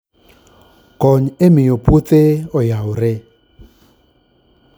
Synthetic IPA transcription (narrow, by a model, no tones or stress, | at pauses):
kɔɲemɪjoput̪eɔjaoɾe